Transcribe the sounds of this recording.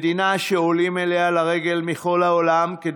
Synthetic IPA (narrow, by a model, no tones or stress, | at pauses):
d̪inaʃeolimelealaʁeɡe̞lmiχo̞lhaolamked